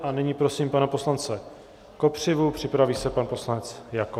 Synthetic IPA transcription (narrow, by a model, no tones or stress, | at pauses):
ʔanɪɲiːpɾo̞siːmpanɛpo̞slant͡sɛ | ko̞pr̝̥ɪvupr̝̥ɪpɾaviːsɛpanpo̞slanɛt͡sjako